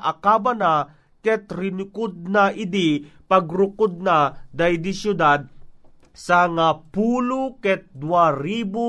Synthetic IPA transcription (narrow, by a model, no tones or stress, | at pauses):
ʔakaːbana | kɛt̪ɾɪnʊkʊd̪̚naʔɪd̪ipɐɡɾʊkʊd̪̚nad̪ajd̪isjʊd̪ad̪̚ | saŋapuːlukɛt̪̚d̪waɾiːbo